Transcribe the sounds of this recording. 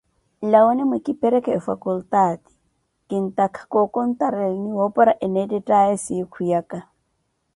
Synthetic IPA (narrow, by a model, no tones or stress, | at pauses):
lawonɪmwekʼɪpɛɾɛkɛfakult̪aːt̪i̥ | kɪn̩t̪akʰḁkʼokʼɔn̩t̪ʼaɾɛlniwopʼɔɾaʔɛnetɛtʼaɛsikʰujakʼa